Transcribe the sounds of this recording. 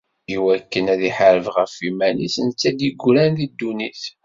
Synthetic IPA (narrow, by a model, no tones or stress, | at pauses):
iwækːənæðiħaɾəvʁəfimænisənt͡sːæd̪iɡʷɾænðid̪ːuniθ